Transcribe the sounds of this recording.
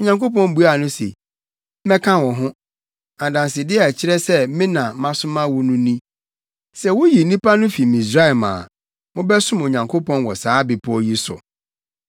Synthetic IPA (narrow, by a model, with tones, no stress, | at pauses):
o˨ɲã˨ŋko˦pɔ̃˦˨n˦bu˦a˨nʊ̃˦sḛ˨˦ | mɛ̃˦kʰã˦˨wɔ˨ɦʊ̃˦ | ã˨dã˨nsɪ˨dɪ˦ɛ˦˨ɛ˨t͡ɕʰɪ˦ɾɛ˦sɛ˦mɪ̃˦nã˨mã˦sʊ̃˦mã˦wʊ˦nʊ̃˦nĩ˦ | sɛ˦˨wʊ˦ji˨˦nĩ˦pʰa˦nʊ̃˦fi˨mĩ˨sɾa˦˨mã̰ː˨ | mʊ̃˦bɛ˦sʊ̃˦mo˨ɲã˨ŋkʰo˦pʰɔ̃˦nwɔ˨saː˨˦bɪ˨pʰɔ˦ji˦sʊ̰˨